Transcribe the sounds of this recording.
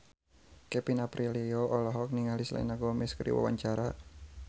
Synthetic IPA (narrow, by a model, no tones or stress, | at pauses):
kɛpinapɾilioʔɔlɔɦɔk̚niŋalisla̰naɡomiskɾḭwa̰wa̰ɲt͡ʃaɾa